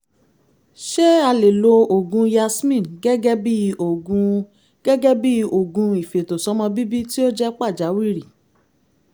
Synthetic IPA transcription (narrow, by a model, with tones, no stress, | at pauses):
ʃe˦a˧le˨lo˧o˨ɡũ˧ja˧smĩ˦˨nɡɛ˦ɡɛ˦bi˦o˨ɡũ˧ | ɡ̥ɛ˦ɡɛ˦bi˦o˨ɡũ˧i˨fe˨to˨sɔ˨˦mɔ̃˧bi˦bi˦ti˦o˦d͡ʒɛ˦k͡pa˦˨d͡ʒa˨˦wi˦˨ɾi˨